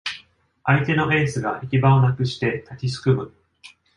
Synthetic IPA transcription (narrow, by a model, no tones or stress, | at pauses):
ait̪e̞no̞ʔe̞ːsɨɡaʔekʲibaonakɯ̟ɕi̥t̪e̞t̪akʲisɨ̥kɯ̟mɯ̟